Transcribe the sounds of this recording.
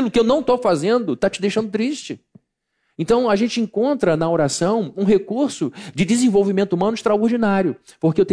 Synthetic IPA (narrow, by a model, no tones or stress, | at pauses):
ilʊkɪewnɐ̃w̃t̪owfazẽnd̪ʊt̪at͡ʃɪd̪ejʃɐ̃nd̪ʊt̪ɾiʃt͡ʃɪ | ẽnt̪ɐ̃w̃ɐʒẽnt͡ʃɪẽŋkõnt̪ɾɐnɐoɾasɐ̃w̃ũɦekuɾsʊd͡ʒɪd̪ɪzẽvowvimẽnt̪ʊumɐ̃nʊiʃt̪ɾaoɾd͡ʒinaɾjʊ | poɾkeewt̪ẽ